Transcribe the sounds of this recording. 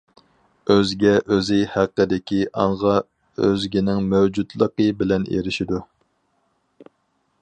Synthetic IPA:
øzɡʲɛʔøzɪhæqːəd̪ɪkʲʰiʔɑɴʁɑ | ø̰zɡʲinɪŋmɛwd͡ʒud̪lˠəqəbɪlɛnʔḛɾɪʃid̪u

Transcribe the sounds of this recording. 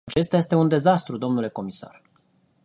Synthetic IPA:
t͡ʃe̞st̪jaje̞st̪e̞und̪e̞zast̪ɾud̪o̞mnule̞ko̞misa̰r

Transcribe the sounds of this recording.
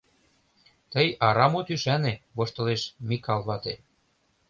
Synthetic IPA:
t̪əjɑɾɑmot̪yʃæneβoʃt̪ɤ̆leʃmʲikɑlˠβɑt̪e

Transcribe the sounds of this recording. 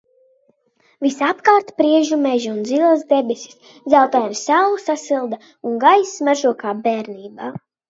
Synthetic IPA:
visapkaːɾt̪pɾiɛʒumɛʒiund̪zilˠasd̪ɛbɛsʲi̥s | d̪zawt̪ajnisawlˠusasilˠd̪a | uŋɡajsmaʒuɔkaːbeːɾniːbaː

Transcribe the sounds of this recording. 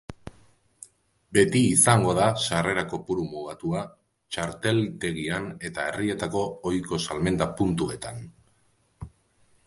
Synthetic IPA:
be̞t̪iːsaŋɡo̞ð̞asare̞ɾako̞puɾumuɣat̪ua | t͡ʃaɾt̪e̞lt̪e̞ɣ̞iane̞t̪ae̞rie̞t̪ako̞ːjko̞salme̞nd̪apunt̪ue̞t̪an

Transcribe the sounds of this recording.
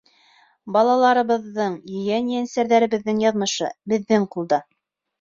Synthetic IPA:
bɑlˠɑlˠɑɾɤ̆βɤ̆ðːɤɴjɵ̆jænjænsæɾðæɾɘ̆βɘ̆ðːɘŋjɑðmɤ̆ʃɤ̰bɘ̆ðːɘŋqulˠd̪ɑ

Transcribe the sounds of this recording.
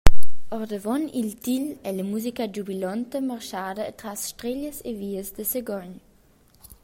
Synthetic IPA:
ɔʁd̪əvɔnilt̪ilɛləmuzikad͡ʒubilɔnt̪əmarʃaːd̪əːt̪ɾasʃtɾeʎəseviːəzd̪əsəɡɔɲ

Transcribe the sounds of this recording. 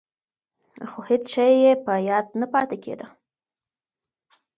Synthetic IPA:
xohet͡sʃajjepəjɑd̪̚napɑt̪ekʰḛd̪ə

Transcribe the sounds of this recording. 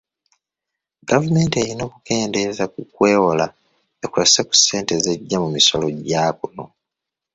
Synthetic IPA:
ɡavume̞ːnte̞ɾino̞ːkuke̞ːnde̞zak̚ukweːwola | ekweseku̥se̞ːnte̞zeɟːamumiso̞lo̞ɟaːkuno

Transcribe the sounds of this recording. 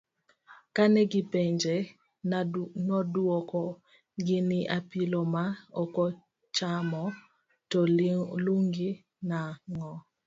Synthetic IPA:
kanɛɡipeɲd͡ʒe | nɔdwokɔ | ɡɪnɪʔapilɔmaɔkɔ | t͡ʃamɔ | tɔluŋɡi | naŋɔ

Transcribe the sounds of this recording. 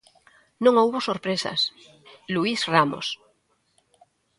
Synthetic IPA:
nõŋouβosoɾpɾesa̰s | luisramo̰s

